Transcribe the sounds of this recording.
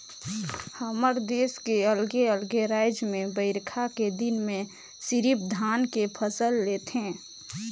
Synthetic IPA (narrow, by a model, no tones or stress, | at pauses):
həməɾd̪eːskeəlɡeəlɡeɾaːɪd͡ʒmẽbəɪɾkʰaked̪ɪnmẽ | siɾipd̪ʱaːnkepʰəsəlːeːt̪ɦɛ̃